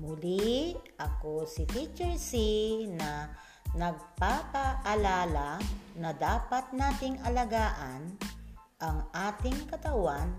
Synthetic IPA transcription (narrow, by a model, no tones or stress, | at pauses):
mʊliʔɐkosɪfit͡ʃɛɹsinɐ | nɐɡ̚papɐʔɐlaːlanɐd̪aːpɐt̪̚naːt̪ɪŋʔɐlɐɡaːʔan | ʔɐŋʔaːt̪ɪŋkɐt̪ɐwan